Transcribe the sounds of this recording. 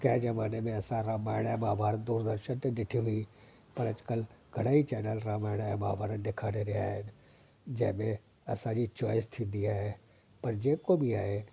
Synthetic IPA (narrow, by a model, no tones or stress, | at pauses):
kɛd͡ʒɐmaːnemẽɐsãɾaːmaːɪɽ̃amaːbʱaːɾənd̪uːɾd̪əɾʃənt̪ẽdɪʈʰiɦʊi | pɐɾɐd͡ʒkəlɡ̥ʱɐɽaːit͡ʃɛːnəlɾaːmaːɪɽ̃amaːbʱaːɾənɖ̪ɪkʰaːneɾeɦaɛ | d͡ʒɛːmẽ | ɐsãɾit͡ʃɔːɪst̪ʰid̪iaɦɛ | pɐɾd͡ʒẽːkobʱiaːe